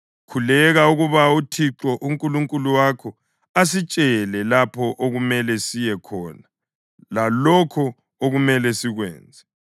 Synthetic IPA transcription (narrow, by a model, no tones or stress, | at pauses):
kʰulɛɣauɣuβautʰiǁɔʔuŋkʼuluŋkʼuluwakʰɔ | as̬it͡ʃʼɛlɛlapʰɔʔoɣumɛlɛsijɛkʰɔːna | lalɔkʰɔ | oɣumɛlɛsiɣwɛ̰ːnd͡zʱɛ